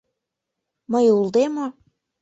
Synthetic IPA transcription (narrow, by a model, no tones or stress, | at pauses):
məjulˠd̪emo